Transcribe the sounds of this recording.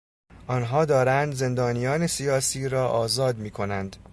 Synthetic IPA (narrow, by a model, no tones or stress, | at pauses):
ʔɒːnɦɒːd̪ɒːɾænd̪ze̞nd̪ɒːnijɒːne̞sijɒːsiːɾɒːʔɒːzɒːd̪miːkʰo̞nænd̪̥